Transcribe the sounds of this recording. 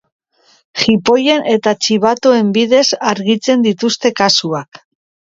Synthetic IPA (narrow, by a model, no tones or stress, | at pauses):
χipo̞je̞nʔe̞t̪at͡ʃiβat̪o̞e̞mbiðe̞saɾɣit͡se̞nd̪it̪ust̪e̞kasuak